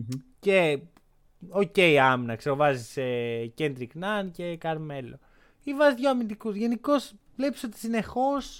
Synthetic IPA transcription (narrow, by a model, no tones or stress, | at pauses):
ce̞ | oce̞ijɐminɐkseɣovɐzisece̞nd̪ɾiknɐnce̞kɐɾme̞lo̞̰ | ivɐzðʝoɐmind̪ikuzʝe̞niko̞svle̞pi̥so̞t̪i̥sine̞xo̞s